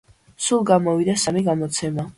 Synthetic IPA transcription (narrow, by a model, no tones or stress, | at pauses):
sulˠɡamɔvid̪asamiɡamɔt̪sʰɛma